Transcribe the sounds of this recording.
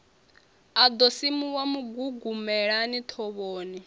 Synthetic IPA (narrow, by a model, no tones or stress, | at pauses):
ad̪ɔsimuwamuɡuɡumɛɺanit̪ʰɔβoːni